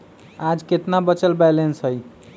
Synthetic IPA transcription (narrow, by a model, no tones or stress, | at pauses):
ad͡ʒket̪nabət͡ʃəlbɛlensɦəj